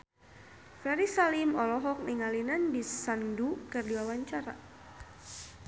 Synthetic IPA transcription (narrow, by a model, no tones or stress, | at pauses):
flaɾisalimɔlɔɦɔk̚niŋalinanbisandukərdiwawaɲt͡ʃaɾa̰